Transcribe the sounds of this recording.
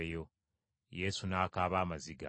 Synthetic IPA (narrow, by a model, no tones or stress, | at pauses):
ejo̞ | je̞sunaːkaːβaːmaziɡa̰